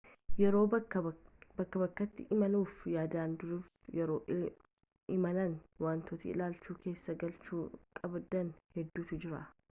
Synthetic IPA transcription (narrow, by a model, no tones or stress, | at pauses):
jɛɾo̞ː | bɐkːɐbɐkːɐt̪ːɪʔɪmɐluːfjaːd̪aːnd̪ʊɾuːfjɛɾo̞ːʔ | ʔɪmɐlɐnwaːnt̪oːt̪iɪ̰laːlt͡ʃuːkʰe̞ːsːɐɡɐlt͡ʃuːkʼɐbd̪ɐnhɛd̪ːuːt̪ʊd͡ʒɪɾɐ̰